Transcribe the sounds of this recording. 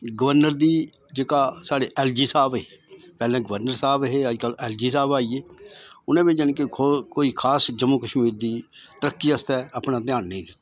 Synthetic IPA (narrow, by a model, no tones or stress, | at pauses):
ɡəʋəɾnəɾd̪iː | d͡ʒeːkaːsaːɖeːʔɛːld͡ʒiːsaːbepɛːlɛ̃ːɡəʋəɾnəɾsaːbɦeːəd͡ʒkəlɛːld͡ʒiːsaːbaːiːeːʊnẽːbed͡ʒːnẽkekoːiːkʰaːsd͡ʒəmːuːkəʃmiːɾd̪iːt̪əɾəkːiːəst̪ɛːəpnãːt̪ɪjaːnːẽĩːd̪t̪ː